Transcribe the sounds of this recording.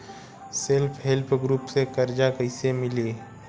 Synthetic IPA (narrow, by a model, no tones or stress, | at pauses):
sɪlpʰɦelpʰɡɾuːpsekɐɾd͡ʒakəɪsemɪliː